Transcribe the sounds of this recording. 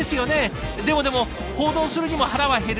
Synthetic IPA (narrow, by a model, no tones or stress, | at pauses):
esɨjo̞ne̞ | d̪e̞mo̞d̪e̞mo̞ | ho̞ːd̪o̞ːsɨɾɯ̟ɲ̟imo̞haɾaβaɦe̞ɾ